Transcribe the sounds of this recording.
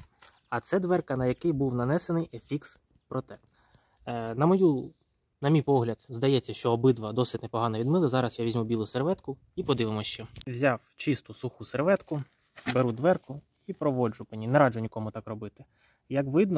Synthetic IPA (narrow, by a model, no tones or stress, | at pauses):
ɐt̪sɛd̪ʋɛrkɐnɐjɐkɪjbuwnɐnɛsenɪjefʲiks | pɾɔt̪ɛ | nɐmɔju | nɐmʲijpɔɦlʲɐd̪zd̪ɐjɛt͡sʲːɐʃt͡ʃɔːbɪd̪ʋɐd̪ɔsɪtʲnepɔɦɑnɐʋʲid̪mɪlˠɪzɑɾɐsjaʋʲizʲmubʲilˠʊserʋɛt̪kʊ | ipɔd̪ɪʋɪmɔɕt͡ʃɛwzʲɑwt͡ʃist̪ʊsuxuserʋɛt̪kʊ | beɾud̪ʋɛrkʊ | ipɾɔʋɔd͡ʒʊpɪnʲinɛɾɑd͡ʒʊnʲikɔmʊt̪ɑkrɔbɪt̪ɪ | jɐkʋɪd̪nɔ